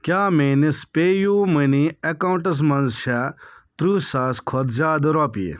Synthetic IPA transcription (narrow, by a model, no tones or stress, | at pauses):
kʲjaːmenispʲejuməniekawɳʈɐs̬mɐnzʃat̪ɾuːsaːskʰɔd̪zaːd̪ɾɔpiḛ